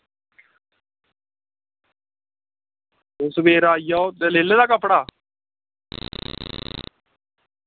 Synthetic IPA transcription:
ʊsʋeːɾaːijaːot̪eleːleːd̪aːkəpːɽaː

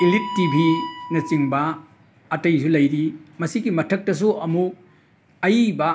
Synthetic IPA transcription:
ilitːibʱinɐt͡ʃiŋbɐː | tɐjsulɐjɾimɐsiɡimɐtʰɐk̚tɐs̬uʔɐmu | ɐjbɐ

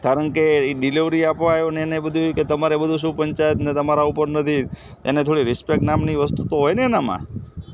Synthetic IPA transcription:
kaɾəɳkeɖiliʋɾiapʋaaɦjoneenebəd̪ʱuket̪əmaɾebəd̪ʱuʃ̬ũpəɲt͡ʃajət̪net̪əmaɾaupəɾnət̪ʰi | t̪enet̪ʰoɽiɾɪspek̚ʈnamniʋəst̪ut̪oɦojnenamã̰

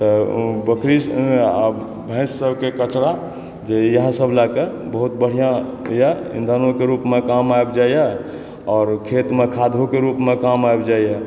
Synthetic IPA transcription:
t̪əbəkɾi | bʱɛ̃ɪsːəbʱkekət͡ʃɾa | d͡ʒejəɦsəbʱlakebəɦut̪bəɽ̤ijãjaḭnd̪ʱanõkeɾuːpmekamaebd͡ʒajjɛ | ɔːɾkʰet̪mẽkʰad̪ʱokeɾupmẽkamaebd͡ʒaiɛ

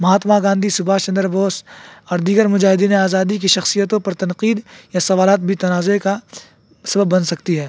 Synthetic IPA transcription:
mɐɦaːt̪maɡãːnd̪ʱisʊbʱaːt͡ʃɐ̃nd̪əɾboːsɔːɾd̪iːɡəɾmʊd͡ʒaːɦɪd̪iːneaːzaːd̪ik̬iʃɐxsijət̪õpɐɾt̪ɐnqiːd̪jasɐʋaːlaːt̪̚bʱit̪ɐnaːzeka | sɐbəbːɐnsɐkt̪iɦɛː

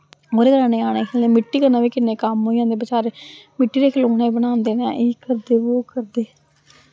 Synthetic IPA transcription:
oːɾeːkəɾãːnẽːaːneːkʰeːlẽːmɪʈːiːkəɾnaːʋiːkɪnːeːkəmɦoːijãːnd̪eːbɪt͡ʃaːɾeːmɪʈːiːɾeːkʰeloːneːbəɽãːnd̪eːnãːʔeːkəɾd̪eːʋoːkəɾd̪eː

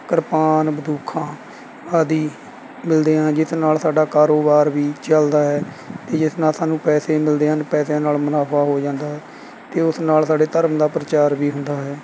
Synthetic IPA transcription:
kəɾpaːnbəd̪uːkʰãː | aːd̪iː | mɪld̪eːɦãːd͡ʒɪsnaːlsaːɖaːkaːɾoːbaːɾʋiːt͡ʃəld̪aːɦɛː | t̪eːd͡ʒɪsnaːlsaːnũːpɛːseːmɪld̪eːɦənpɛːsãːnaːlmənaːpʰaːɦoːd͡ʒãːnd̪aːɦɛː | t̪eːʊsnaːlsaːɖeːt̪əɾəmd̪aːpɾət͡ʃaːɾʋiːɦʊnd̪aːɦɛː

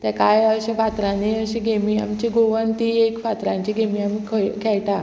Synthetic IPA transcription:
t̪ɛ̃kajəɕẽfat̪ɾaneəɕeɡʱemiːa̰mt͡ɕeɡoʋənt̪iekfat̪ɾãɲt͡ɕiɡʱemiːamikʰəjkʰɛjʈa

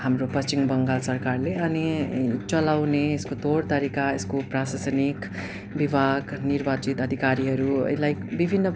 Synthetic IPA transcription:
hamropʌst͡ʃimbʌŋɡalsʌrkarleʌnit͡sʌlawneeskot̪oɽt̪ʌɾikaeskoprasasʌnik | bibʱaɡnirbat͡sit̪ʌd̪ʱikaɾiɦʌɾṵlajbibʱinːʌ

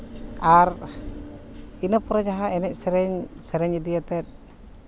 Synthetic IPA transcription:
ar | inapuɾad͡ʒaɦaɛnɛʔ̚sɛɾɛɲsɛɾɛɲd͡ʒadiat̪ɛt̪̚

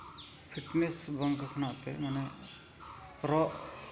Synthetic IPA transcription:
pʰiʈnesbəŋɡkʰnat̪emɐne | ɾɔʔ

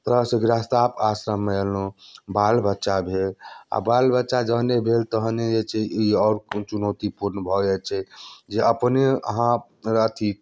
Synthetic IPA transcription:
t̪əseɡɾast̪apasɾəmːeelũbalbətːʃabʱela̰balbətːʃad͡ʒəɦnebʱelt̪əɦned͡ʒet͡ʃʰɛiɔːɾt͡ʃunot̪ipuɾnəbʱɔd͡ʒɛt͡ʃʰɛd͡ʒeəpneə̰ɦã | ɾət̪ʰi

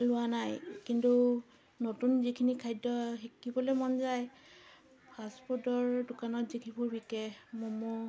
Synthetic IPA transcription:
lʊwanajkintu | notunzikʰinikʰajdɔɦekːibɔlɛmɔnzaj | pʰaspʰɔtɔɹdʊkanɔtzikʰibʊɹbikɛmɔmɔ

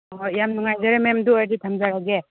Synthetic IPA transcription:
jamnuŋajzaɾememduajditʰamzaɾaɡe

